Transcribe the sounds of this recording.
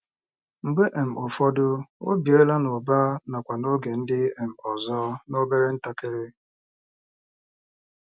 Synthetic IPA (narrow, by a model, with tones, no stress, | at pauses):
ŋ͡m̩˨ɡ͡be˦ʔe˨m̩˨o˨fɔ˦dʊ˦o̰˦bje˦la˦nʊ˨ba˦na˨kʷa˨no˦ɡe˨n̩˦dɪ˦e˨m̩˨ɔ˨zɔ˦no˦be˦ɾe˦n̩˦ta˦ke˦ɾe˦